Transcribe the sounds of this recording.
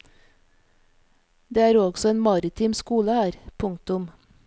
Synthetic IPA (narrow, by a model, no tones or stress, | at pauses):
d̪eːæːɾoːɡsɔeːnmɑɾɪt̪ʰɪmskuːləhæːɾpʰʊŋ̚t̪ʊm